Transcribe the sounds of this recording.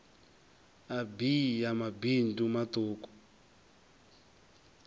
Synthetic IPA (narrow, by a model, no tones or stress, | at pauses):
abijamabintʼumat̪oːku̥